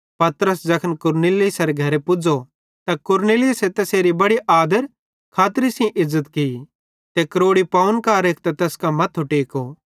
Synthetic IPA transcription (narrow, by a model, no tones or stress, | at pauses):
pɐt̪ɾəsd͡ʒɐkʰənkʊɾneːlɪsɐɾeɡʱɐɾepʊd͡ʒo | t̪akʊɾnelɪʊset̪ɐseːɾibɐɽiʔaːd̪əɾ | kʰaːt̪ɾisĩʔɪzːət̪kii | t̪ekɾoːɽipaːənkaːɾeːkʰt̪at̪ɛːskamɐt̪ʰʊʈeːkoː